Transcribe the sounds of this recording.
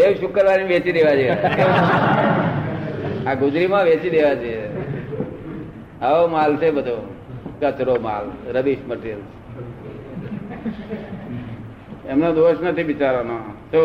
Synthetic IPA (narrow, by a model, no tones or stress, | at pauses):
eʋʃukəɾʋaniʋet͡ʃid̪eʋad͡ʒoek | aɡud͡ʒ̪ɾimãʋet͡ʃid̪eʋad͡ʒee | aomalt͡ʃʰebəd̪ʱo | kət͡ʃɾoma̰lɾəbiʃməʈel | emnod̪oʃnət̪ʰiʋit͡ʃaɾanoso